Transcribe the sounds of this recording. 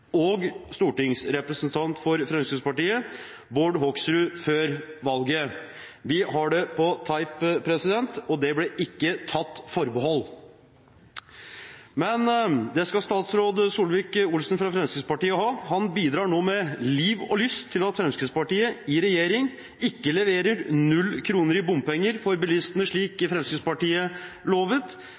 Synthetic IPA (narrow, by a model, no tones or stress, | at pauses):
ɔɡst̪uːʈɪŋsɾɛpɾəsnt̪ʰɑnt̪fɔɾfɾɛmskɾʉd̪spɑʈiːə | boːɖɦɔksɾʉføːɾʋɑlɡə | ʋɪhɑɖɛpʰɔt̪ʰɑɪppʰɾɛsɪd̪ɛnt̪ɔd̪ɛblɛʔɪkːət̪ʰɑt̪ːfɔɾbəɦɔlː | mɛnd̪ɛskɑst̪ɑːt̪sɾoːd̪suːlʋɪːkʊlsnfɾɑfɾɛmskɾəspɑʈiːəɦɑːhɑnbiːd̪ɾɑːɳoːmɛliːʋɔ̰lʏst̪ʰːɪlɑt̪fɾɛmskəd̪spɑʈiːəɪɾɛjeːɾɪŋ | ɪkːəlɛʋeːɾəɾnʉlːkʰɾuːnəɾɪbʊmpɛŋːəɾfɔɾbɪlɪst̪ənəʂɭiːkfɾɛmskəspɑʈiːəloːʋət̪